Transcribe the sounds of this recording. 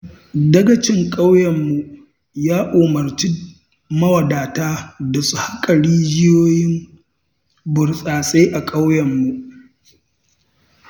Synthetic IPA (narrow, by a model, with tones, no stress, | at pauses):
dɐ˦ɡɐ˨t͡ʃɪ˦ŋkʼa˦wjɐ˨mːu˨ | jaː˦ʔo˨mɐ˨rt͡ʃi˦ | mɐ˦wɐ˨daː˨taː˦da˨su˨ha˦kʼɐ˨ɽiː˦d͡ʒɪ˦joː˦jɪ˦m | bʊ˨rsʼaː˨sʼe˦ʔa˨kʼa˦wjɐ˨mːu˨ʔ